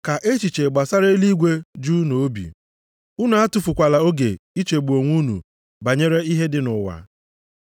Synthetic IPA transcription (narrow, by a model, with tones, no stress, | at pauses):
ka˨ʔe˦t͡ʃi˨t͡ʃe˨ɡ͡ba˨sa˦ɾe˦li˦ɡʷe˦d͡ʒu˦no˨˦bḭ˨ | u˦nu˨a˦tʊ˨fʊ˨kʷa˨la˨o˦ɡe˨i˦t͡ʃe˨ɡ͡bu˨o˨ŋʷu˦nṵ˨ | ba˨ɲe˦ɾe˦i˦ɦe˦dɪ˦nʊ˨wa̰˨